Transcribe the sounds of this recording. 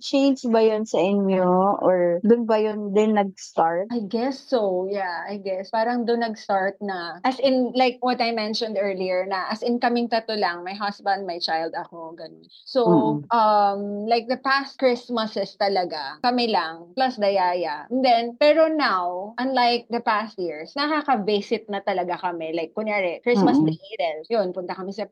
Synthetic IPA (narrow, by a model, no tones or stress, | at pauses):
t͡ʃejnd͡ʒbɐjʊnsɐʔɪnjoʔɔɹd̪ʊnbɐjʊnd̪ɛnːɐɡ̚st̪aɹt̪̚ʔajɡɛsːojaajɡɛspaːɾɐŋd̪ʊnːɐɡst̪aɹt̪̚nɐʔɐsɪnlajk̚wɔt̪ɐjmɛ̃nʃɔ̃nd̪ɛɹliɛɹnɐʔɐsɪnkɐmɪŋt̪ɐt̪olɐŋmɐjɦɐsbɐ̃nd̪̚mɐjt͡ʃajld̪ɐkoɡɐn | soʔɐmlajk̚d̪ɐpast̪̚kɹɪsmɐsɛst̪ɐlɐɡakɐmɪlɐŋplɐsd̪ɐjaːjɐʔɛnd̪ɛnpɛːɾonawʔɐnlajk̚d̪ɐpast̪̚jiɹsnɐkaːkɐbɛsɪt̪̚nɐt̪ɐlɐɡakɐmɛlajk̚ːʊnaɹɛkːɹɪssmɐsd̪ɪhed̪ɛljonpʊnt̪ɐkɐmɪsɐ